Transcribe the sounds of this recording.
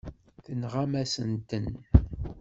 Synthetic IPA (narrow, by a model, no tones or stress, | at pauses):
θənʁamæsənt̪ən